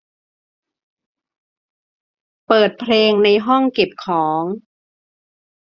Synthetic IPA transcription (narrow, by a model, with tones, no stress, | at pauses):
pɤː˨˩t̪̚pʰleː˧ŋna˧jɦɔ˥˩ŋke˨˩p̚kʰɔː˩˦ŋ